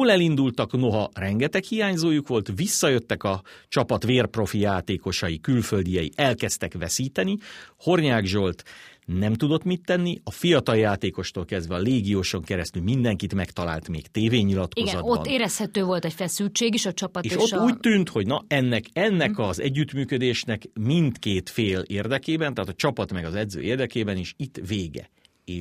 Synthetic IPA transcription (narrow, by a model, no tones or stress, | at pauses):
lɛlind̪ult̪ɒkno̞ɦɒrɛŋɡɛt̪ɛkhijaːɲzoːjukʋo̞lt̪ʋisːɒjøt̪ːɛkɒt͡ʃɒpɒt̪ʋeːrpro̞fijaːt̪eːko̞ʃɒjikylfø̞ld̪ijɛjḭʔɛlkɛst̪ɛkʋɛsiːt̪ɛniho̞rɲaːɡʒo̞lt̪nɛmt̪ud̪o̞t̪mit̪ːɛnːiɒfijɒt̪ɒljaːt̪eːko̞ʃt̪oːlkɛzd̪vɛɒleːɡijoːʃo̞ŋkɛɾɛst̪ylmind̪ɛŋkit̪mɛkt̪ɒla̰ːlt̪mḛːkt̪eːveːɲːilɒt̪kozɒd̪obɒ̰nːeːɾɛshɛt̪øːvo̞lt̪ɛcfɛsylt͡ʃeːɡiʃɒt͡ʃɒpɒt̪eːʃotːuːc̚t̪ynt̪ho̞ɟnɒɛnːɛkɛnːɛkɒzɛ̰ɟːyt̪myːkød̪eːʃnɛkmint̪keːt̪feːleːrd̪ɛkeːbɛnt̪aːt̪ɒt͡ʃɒpɒt̪mɛɡɒzɛd̪zø̰ːeːrd̪ɛkeːbɛnieːʃit̪ːveːɡɛ̰ | eː